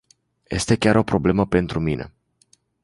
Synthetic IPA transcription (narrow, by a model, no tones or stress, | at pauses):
je̞st̪e̞kʲaɾo̞pɾo̞ble̞məpe̞nt̪ɾuminʔe̞̰